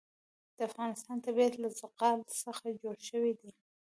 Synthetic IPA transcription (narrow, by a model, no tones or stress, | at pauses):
d̪̥əafɣɑnɪst̪ɑnt̪abiat̪lazʊqɑlsəxad͡ʒoɽʃəwid̪i